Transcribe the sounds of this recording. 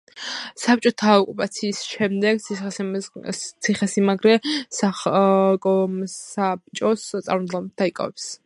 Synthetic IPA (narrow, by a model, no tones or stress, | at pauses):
sap̚t͡ʃʼɔt̪ʰaɔkʼupʼat̪sʰiːsʃɛmd̪ɛɡt̪ʰ | t̪sʰiχɛsimaɡɾɛsakʼɔsap̚t͡ʃʼɔssʼa̰ɾmd̪lɔbt̪̚d̪aikʼa̰vɛps